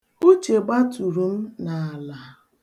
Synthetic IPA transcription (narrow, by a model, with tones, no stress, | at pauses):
o˦t͡ʃe˨ɡ͡ba˦tu˨ɾu˨m̩˦na˨a˨la˨